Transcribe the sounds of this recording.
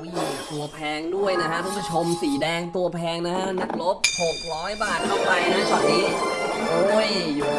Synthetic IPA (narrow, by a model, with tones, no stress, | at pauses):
juː˨˩t̪u˧ɐpʰɛː˧ŋdu˥˩əjna˦˥kʰa˦˥ʔ̪ʰɔ˧˥˩ŋpa˧˥˩t͡ɕʰo˧msiː˩˦dɛː˧ŋt̪u˧ɐpʰɛː˧ŋna˦˥kʰa˦˥ʔna˦˥k̚lo˦˥p̚ho˨˩k̚ɾɔː˦˥jbaː˥˩t̪̚kʰɔ˥˩pa˧jna˦˥˩kaː˨˩niː˦˥ʔoː˧˩jjuː˨˩